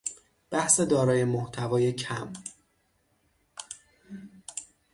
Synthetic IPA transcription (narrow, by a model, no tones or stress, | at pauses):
b̥æhse̞d̪ɒːɾɒːje̞moht̪ʰævɒːje̞cʰæm